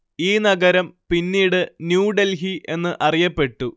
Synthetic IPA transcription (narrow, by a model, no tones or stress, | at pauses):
iːnɐɡɐɾɐmpinːiːɽɨnjuːɖelɦiʔe̞nːɨʔɐrijɐpːe̞ʈːu